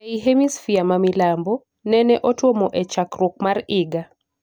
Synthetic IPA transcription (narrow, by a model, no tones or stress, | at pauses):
eiɦemisfiamamilambɔ | nɛnɛʔotwomoʔɛt͡ʃakɾwok̚marɪɡa